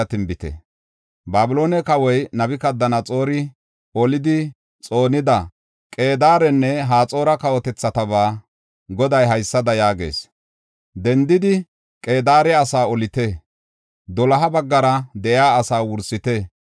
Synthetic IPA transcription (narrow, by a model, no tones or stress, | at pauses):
ɐt̪ɪnbɪt̪ɛ̰ | baːbɪlo̞ːnɛkɐwɔjnɐbɪkɐd̪ːɐnɐt͡sʼo̞ːɾɪ | ɔlɪd̪ɪ | t͡sʼo̞ːnɪd̪ɐ | kʼe̞ːd̪aːɾɛnːɛɦaːt͡sʼo̞ːɾɐkɐwɔt̪ɛt͡sːɐt̪ɐbaː | ɡɔd̪ɐjɦɐjsːɐd̪ɐjaːɡe̞̰ːs | d̪ɛnd̪ɪd̪ɪ | kʼe̞ːd̪aːɾɛɐsaːɔlɪt̪ɛ | d̪ɔlɐɦɐbɐɡːɐɾɐd̪ɛʔjaːsaːwʊɾsɪt̪ɛ